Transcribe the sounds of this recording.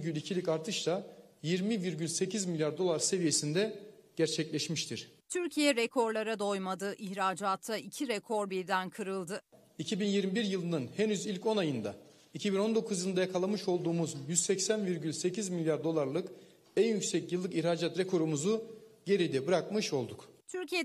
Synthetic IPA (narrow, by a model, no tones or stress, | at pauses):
ɟylʲicʰilʲicaɾt̪ʰɯʃlˠajiɾmiviɾɟylʲse̞cʰizmilʲjaɾd̪o̞lˠaɾse̞vije̞sind̪ɛɟ̥æɾt͡ʃʰɛclʲɛʃmiʃt̪ʰiɾ̥t̪ʰyɾcʰijɛɾekʰo̞ɾlˠaɾad̪o̞jmad̪ɯʔiçɾaːd͡ʒaːt̪ʰːaicʰiɾekʰo̞ɾbiɾd̪ænkʰɯɾɯlˠd̪ɯ | icʰibinjiɾmibiɾjɯlˠɯnɯnhenyzilʲco̞najɯnd̪a | icʰibino̞nd̪o̞kʰuzjɯlˠnd̪ajakʰalˠamɯʃo̞lˠd̪uːmuzjyzsɛcsænviɾɟylʲse̞cʰizmilʲjaɾd̪o̞lˠaɾlˠɯk | ænjycsɛcjɯlˠːɯkiçɾaːd͡ʒat̪ɾekʰo̞ɾumuzuɟe̞ɾijd̪ɛbɯɾakmɯʃo̞lˠd̪ukt̪ʰyɾcʰijɛ